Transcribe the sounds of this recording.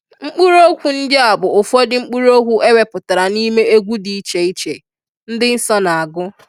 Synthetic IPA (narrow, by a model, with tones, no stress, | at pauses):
ŋ͡m̩˦k͡pu˦ɾo˦kʷu˨n̩˦dɪ˦a˨bʊ˨ʊ˨fɔ˦dɪ˦ŋ͡m̩˦k͡pu˦ɾo˦kʷu˦e˦we˨pʊ˨ta˨ɾa˨ni˦me˦e˦ɡʷu˦di˨i˦t͡ʃe˨i˦t͡ʃe˨ | n̩˦dɪ˦n̩˦sɔ˦na˨a˨ɡʊ˦